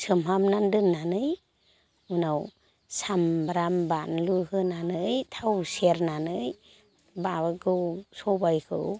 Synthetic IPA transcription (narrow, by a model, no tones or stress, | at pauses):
sɯmɦamnandɯnːanɯj | unaw | sambɾambanluhɯnanɯjtʰawseɾnanɯj | babaɡɯwsɔbajkʰɯ̰w